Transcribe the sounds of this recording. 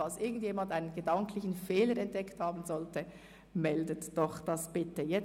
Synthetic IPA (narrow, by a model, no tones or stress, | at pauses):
ɑlsʔɪɐɡŋn̩tjeːmɑndaɪnənɡədɑŋklɪçn̩feːləɾɛnt̚d̥ɛkthɑːbn̩zɔltə | mɛldətd̥ɔχd̥ɑsb̥ɪtəjɛ